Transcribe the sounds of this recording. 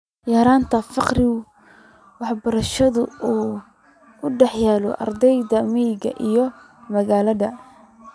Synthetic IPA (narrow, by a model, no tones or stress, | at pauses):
jaːɾaːnt̪ʰɐfɑqrɪʊ | wɑħbɐɾɐʃɐðʊuː | ʊɖɛħjaːlɔ̰ʔɑ̰rd̪ɛjðɐmijɡɐ̰ʔijɔ | mɐɣaːlɐðɐ